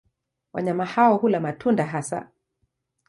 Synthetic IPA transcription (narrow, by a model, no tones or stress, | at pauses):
wa̰ɲamahawɔhulamatʰundaɦasa̰